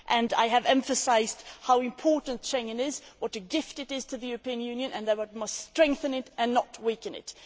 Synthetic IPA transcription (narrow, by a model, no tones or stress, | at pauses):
ʔɨ̃nda̰ɪɨvɛ̃ɱfɨsaɪzd̥haʊɨ̃mpʰɔɹʔn̩tʃɛ̃ŋɨ̃nɪzwʌtɨɡɪftɨɾɪz̥tʰɨðɨjʉɹəpĩɨ̃njʉ̃njɨ̃nʔɨ̃nðɨwʌt̚mʌststɹ̥ɛ̃ŋk̚θɨ̃nɪtʔɨ̃nːət̚wikɨ̃nɪ̰t